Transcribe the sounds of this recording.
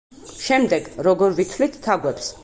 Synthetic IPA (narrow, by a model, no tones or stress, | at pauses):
ʃɛmd̪ɛɡɾɔɡɔɾvit̪ʰvlit̪ʰːaɡwɛps